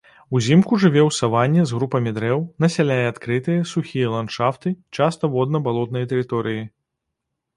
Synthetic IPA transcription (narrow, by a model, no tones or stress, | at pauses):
uzʲimkuʐɨvʲɛwsavanʲːɛzɣɾupɐmʲid̪ɾɛwnɐsʲalʲajɛat̪kɾɨt̪ɨjɐsuxʲijɐlˠant̪ʂaft̪ɨt͡ʂast̪ɐvɔd̪nɐbalˠɔt̪nɐjɐt̪ɛɾɨt̪ɔɾɨji